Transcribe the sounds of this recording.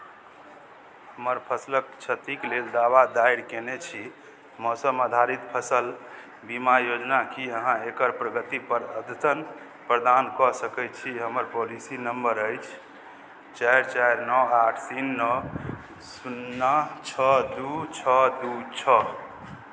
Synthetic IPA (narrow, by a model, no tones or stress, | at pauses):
həməɾpʰəslək̚t͡ʃʰət̪ikleld̪awad̪aiɽkenet͡ʃʰi | mɔsəmad̪ʱaɾit̪pʰəsəl | bimajod͡ʒnakiəɦãekəɾpɾəɡət̪ipəɾəd̪ət̪ən | pɾəd̪ankɔsəkɛt͡ʃʰiɦəməɾpolisinəmbəɾəjt͡ʃʰ | t͡ʃajɾt͡ʃajɾnɔaʈʰt̪inːɔ | sunːat͡ʃʰɔd̪ut͡ʃʰɔd̪ut͡ʃʰɔ